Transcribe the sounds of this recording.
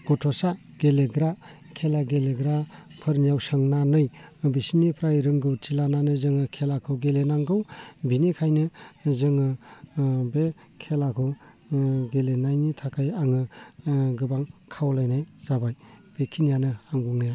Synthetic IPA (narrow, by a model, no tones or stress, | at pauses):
ɡ̥ɔtʰɔsa | ɡ̥eleɡɾa | kʰelaɡeleɡɾapʰɯɾnjawsɯŋnanɯjbisinipʰɾajɾɯŋɡɯwtʰilananɯzɯŋɯkʰelakʰɯwɡelenaŋɡɯwbinikʰajnɯzɯŋɯ | be | kʰelakʰɯw | ɡelenajnitʰakʰajaŋɯ | ɡɯbaŋkʰawlajnajzabaj | b̥ekʰinijanɯaŋɡuŋnija